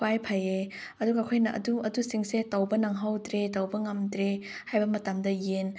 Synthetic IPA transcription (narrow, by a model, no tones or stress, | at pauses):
wajpʰaje | ɐduɡɐkʰojnɐʔɐ̰duɐdusiŋsetɐwbɐnɐŋɦawdɾetɐwbɐŋɐmdɾe | hajbɐmɐtamdɐjen